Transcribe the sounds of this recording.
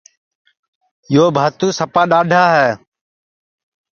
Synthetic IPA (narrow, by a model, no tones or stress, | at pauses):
joːbʱaːt̪ũːsəpaːɗaːɖʱaːɦɛː